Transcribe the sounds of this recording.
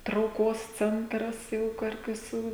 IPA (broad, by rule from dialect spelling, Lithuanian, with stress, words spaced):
trɐʊˈkoːs ˈt͡sʲɛntrɐs jɛʊ ˈkʊr ʋʲɪˈsuː